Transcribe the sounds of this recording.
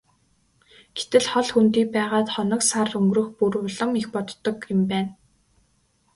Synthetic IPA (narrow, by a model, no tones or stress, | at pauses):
ɡ̥e̥t̪ɘ̆ɮχɔɮxunt̪iːk̚pæːʁaːt̪χɔnɞ̆ksarɵŋɡrɵ̆xpuɾʊ̆ːɮɞ̆mixpɔt̪ːɞ̆kjɪ̆mpæːn